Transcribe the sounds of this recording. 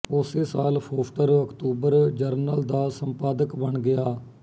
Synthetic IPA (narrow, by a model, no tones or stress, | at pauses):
ʊseːsaːlpʰoːpʈəɾəkt̪uːbəɾd͡ʒəɾnəld̪aːsəmpaːd̪əkbəɳɡɪjaː